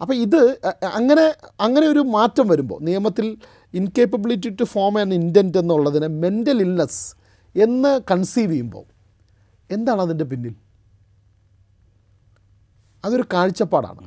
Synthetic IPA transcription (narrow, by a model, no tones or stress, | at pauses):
ɐpːɐːiðɨɐŋːɐne̞ɐŋːɐne̞o̞ɾumaːtːɐmʋɐɾumbo̞̰ːnijɐmɐt̪ːil | inke̞ːpɐbilitːitːufoːrmenːindjɐnde̞nːuɭːɐðinɨme̞ndɐlilnɐs | e̞nːɨkɐɳsiːʋijumbo̞̰ː | e̞nd̪aːɳɨɐðinde̞p̬inːil | ɐðo̞ɾukaːɻit͡ɕːɐpːaːɽa̰ːɳɨ̰